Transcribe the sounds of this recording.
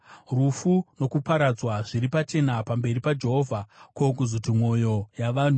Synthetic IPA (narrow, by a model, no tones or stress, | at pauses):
rufuno̞kupaɾad͡zwaʐiɾipat͡ʃe̞napambe̞ripad͡ʒe̞ɦo̞vʱakokuzutimwo̞jo̞jaʋaːn̤u